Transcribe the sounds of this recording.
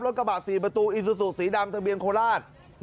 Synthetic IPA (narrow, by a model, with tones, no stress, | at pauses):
lo˦˥˩n̚ka˧baː˨˩t̪̚siː˨˩pa˧t̪uː˧ʔi˨˩su˧su˨˩si˩˦daː˧mt̪ʰa˧bi˧ənkʰoː˧laː˥˩n | n